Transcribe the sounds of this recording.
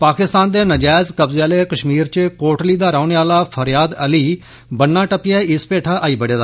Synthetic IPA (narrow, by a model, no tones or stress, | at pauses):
paːkɪst̪aːnd̪eːnəd͡ʒaːzkəbzeaːleːkəʃmiːɾt͡ʃkoːʈliːd̪aːɾaːʊneːaːlaːpʰəɾjaːd̪əliː | bənːãːʈəpɪjaːɪspeːʈʰaːʔaːiːbəɽeːd̪aː